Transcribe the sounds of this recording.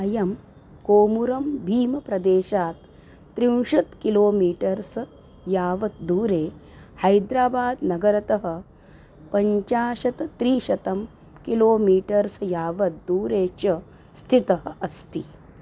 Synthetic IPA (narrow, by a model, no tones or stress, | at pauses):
ɐjɐm | koːmuɾɐmbʱiːmɐpɾɐd̪eːʃaːt̪ː | ɾiwʂɐt̪kiloːmiːʈɐɾs | jaːʋɐt̪̚d̪uːɾeːhɐjd̪ɾaːbaːd̪nɐɡɐɾɐt̪ɐɦɐ̆ | pɐɲt͡ʃaːʃɐt̪t̪ɾiːʃɐt̪ɐm | kiloːmiːʈɐɾsjaːʋɐt̪̚d̪uːɾeːt͡ʃɐ | st̪ʰit̪ɐɦɐʔɐst̪i